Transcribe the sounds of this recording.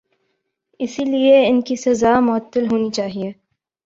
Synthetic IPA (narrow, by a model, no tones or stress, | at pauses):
ɪsilieɪnkisɐzamʊət̪ːəlɦoːnit͡ʃaːɦieː